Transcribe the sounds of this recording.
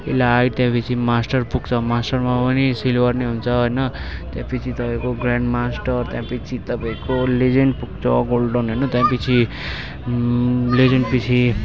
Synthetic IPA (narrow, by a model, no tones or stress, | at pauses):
elaːjt̪jãpʌt͡sʰimasʈʌrpuɡt͡sʰʌmasʈʌrmapʌnisilwarneɦunt͡sʰʌɦojnʌt̪jãpʌt͡sʰit̪ʌpaĩkoɡrãɳɖmasʈʌrt̪jãpʌt͡sʰit̪ʌpaĩkoled͡zenpuɡ̚t͡sʰʌ̰ɡolɖʌnɦojnʌt̪jãpʌt͡sʰi | led͡zʌnpit͡sʰi